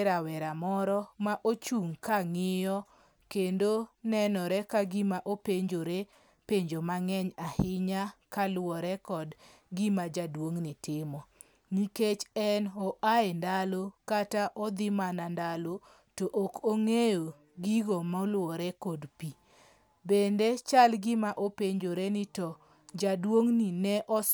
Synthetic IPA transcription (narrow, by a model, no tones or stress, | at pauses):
ɾawɛɾamɔɾɔmaʔot͡ʃuŋkaŋɪjɔ | kendonɛnɔɾɛkaɡimaʔopeɲd͡ʒoɾe | peɲd͡ʒomaŋɛɲahɪɲakalwɔɾɛkɔd | ɡimad͡ʒadwoŋnɪtɪmɔ | ŋiket͡ʃɛnɔʔaendalokataʔɔd̪ɪmanandalo | toʔokoŋejo | ɡiɡomɔlwɔɾɛkodpi | bendet͡ʃalɡɪmaʔopeɲd͡ʒoɾenitɔ | d͡ʒadwoŋninɛʔɔ